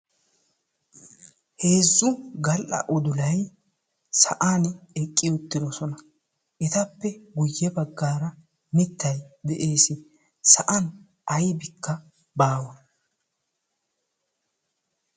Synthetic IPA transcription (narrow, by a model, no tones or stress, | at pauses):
he̞ːzːʊɡɐlʔɐ̰ʔɔd̪ʊlɐj | sɐ̰ʔaːnɛkʼːɪjɔt̪ːɪd̪ɔsɔnɐ | ʔɪt̪ɐpːɛɡʊjːɛbɐɡːaːɾɐ | nɪt̪ːɐjd̪ɛʔe̞ːsɪ | sɐʔɐn | ɐjbɪkʰːɐ | baːwɐ